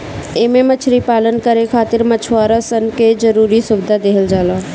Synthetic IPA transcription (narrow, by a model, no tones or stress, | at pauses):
ememət͡ʃʰɾipaːlənkəɾekʰaːt̪ɪɾmət͡ʃʰwaːɾasənked͡ʒəɾuːɾisʊbɪd̪ʱad̪eɦəld͡ʒaːlaː